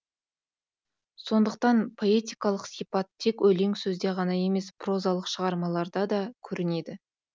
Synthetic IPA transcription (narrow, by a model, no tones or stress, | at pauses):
so̞nd̪əq̚t̪ɑnpʰo̞e̞t̪ʲijkɑlˠəqsipɑt̪ʰːekwɵle̞ŋsɵzd̪e̞ʁɑnɑje̞me̞spro̞zɑlˠəqʃəʁɑɾmɑlˠɑɾd̪ɑd̪ɑkʲʰɵɾɪne̞d̪ɪ